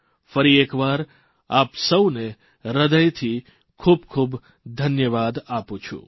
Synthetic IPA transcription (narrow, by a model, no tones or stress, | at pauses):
fəɾiekʋaɾ | apsəwne | ɾəd̪əjt̪ʰi | kʰubkʰub | d̪ʱənjəʋad̪apũt͡ʃʰṵ̃